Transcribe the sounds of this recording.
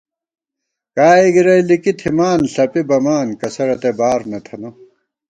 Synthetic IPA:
kaːiɡiɾɐjlikit̪ʰimaːnɬɐpibɐmaːnkɐsɐɾɐt̪ebaːɾnɐt̪ʰɐno

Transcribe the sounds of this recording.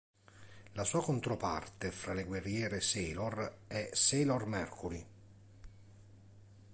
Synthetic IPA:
lasuːakont̪ɾopa̰rt̪efɾaleɡwerːjɛːɾeseːlɔr | ɛseːlormɛrkʰuɾi

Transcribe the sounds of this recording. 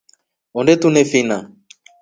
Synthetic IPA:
onɖet̪unefina

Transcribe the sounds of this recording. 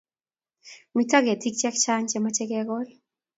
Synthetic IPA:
mitaɡɛtik̚t͡ʃɛkt͡ʃaɲt͡ʃɛmat͡ʃɛkɛɡɔl

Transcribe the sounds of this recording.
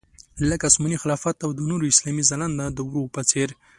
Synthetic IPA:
ləkasmunixɪlɑfat̪awd̪ənoɾoɪslɑmizaland̪ad̪əwɾopət͡seɾ

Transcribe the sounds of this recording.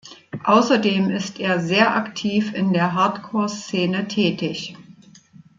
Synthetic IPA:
ʔaʊsɐdeːmɪstʔeːɐzeːɐʔaktʰiːfɪndeːɐɦaɐtkʰoːɐst͡seːnətʰɛːtɪç

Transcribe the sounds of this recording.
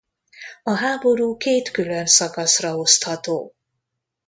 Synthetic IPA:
ɒɦaːbo̞ɾuːkeːt̪kylønsɒkɒsrɒo̞st̪hɒt̪o̰ː

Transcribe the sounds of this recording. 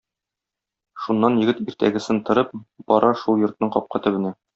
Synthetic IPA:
ʃunːɑnjɘ̆ɡɘt̪iɾt̪æ̰ɡɘ̆sɘnt̪ɤ̆ɾɤp̚b̥ɒɾʔɑʃulˠjŏɾt̪nɤɴqɒp̚qʰɑt̪ɵ̆bɘ̆næ

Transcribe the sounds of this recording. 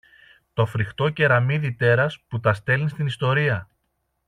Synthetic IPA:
t̪o̞fɾixt̪o̞ce̞ɾɐmiðit̪e̞ɾɐsput̪ɐst̪e̞lnist̪inist̪o̞ɾiɐ

